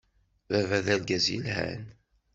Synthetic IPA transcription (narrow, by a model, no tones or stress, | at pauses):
vævæðælɡæzjḭlhæ̰n